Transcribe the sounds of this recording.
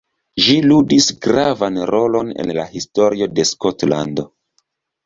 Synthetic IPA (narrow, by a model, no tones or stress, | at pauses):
ʒiludisɡɾavanɾo̞lo̞ne̞̰nla̰histo̞ɾio̞de̞skotla̰ndo̞